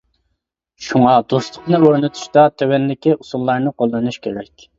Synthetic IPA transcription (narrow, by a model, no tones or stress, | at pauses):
ʃuŋɑd̪oslˠʊqnɨøɾnɨt̪ʰu̥ʃt̪ɑt̪ʰøwɛnlɪkʲiʔusulˠːɑɾnɨqʰolˠːɨnuʃkʲʰeɾɛkʲ